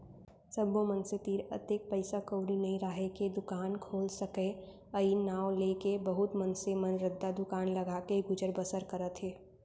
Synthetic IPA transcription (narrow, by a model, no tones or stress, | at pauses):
səbõmənset̪iːɾə̰t̪eːk̚pəɪsakowɽinɐɦĩɾaɦeked̪ʊkaːnkʰoːlsəke | əinaːwleːkebɐɦʊt̪mənsemənɾɪd̪ːad̪ʊkaːnlɐɡakeɡʊd͡ʒəɾbəsəɾkəɾət̪ɦeː